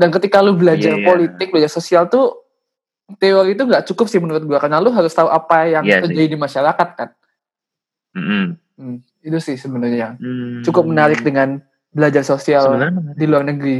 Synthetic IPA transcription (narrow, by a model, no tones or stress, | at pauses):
dankət̪ikalubəlad͡ʒarpolit̪ɪk̚bəlad͡ʒarsosialt̪u | t̪eɔɾit̪uŋɡaʔt͡ʃukʊp̚sɪhmənuɾʊt̪̚ɡuakanaluɦaɾʊst̪auʔapajaŋt̪ərd͡ʒadidimaʃaɾakat̪̚kan | m̩ | m̩ | it̪usɪhsəbənʊrɲat͡ʃukʊp̚mənaɾɪk̚dəŋan | bəlad͡ʒarsosialdiluarnəɡɾi